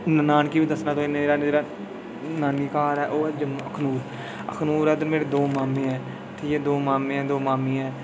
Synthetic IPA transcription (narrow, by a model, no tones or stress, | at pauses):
nnaːnkiːbiːd̪əsnaːt̪oːɪnːeːɾaːd͡ʒeːɽaː | naːniːkaːɾɛːʔoːɛːd͡ʒəmːəkʰnuːɾ | ə̰kʰnuːɾɛːt̪eːmeːɽeːd̪oːmaːmeːɛː | t̪ʰeːjeːd̪oːmaːmẽːɛ̃ːd̪oːmaːmĩːɛː